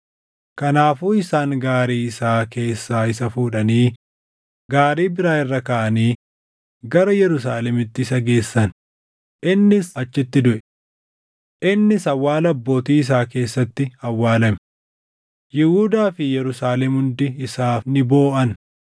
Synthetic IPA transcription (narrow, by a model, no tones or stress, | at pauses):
kɐnaːfuːɪsaːŋɡaːɾiːɪsaːke̞ːsːaːɪsɐfuːᶑɐniː | ɡaːɾiːbɪɾaːɪrːɐkɐʔɐniː | ɡɐɾɐjɛɾʊsaːlɛmɪt̪ːɪsɐɡe̞ːsːɐn | ʔɪnːɪsɐt͡ʃːɪt̪ːɪd̪ʊʔɛ | ʔɪnːɪsɐwːaːlɐbːo̞ːt̪iːɪs̬aːke̞ːsːɐt̪ːɪhɐwːaːlɐm | jɪhuːd̪aːfɪjɛɾʊsaːlɛmhʊnd̪ɪɪsaːnɪbo̞ːʔɐn